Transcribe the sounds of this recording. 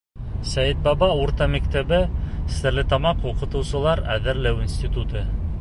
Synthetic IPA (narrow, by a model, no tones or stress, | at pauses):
sæjɘt̪̚bɑbɑuɾt̪ɑmækt̪æbɘsɘ̆ɾlɘt̪ɑmɑquqɤ̆t̪ɤ̆wsɤ̆lˠɑɾæðɘ̆ɾlæwinsʲt̪ʲit̪ut̪ɤ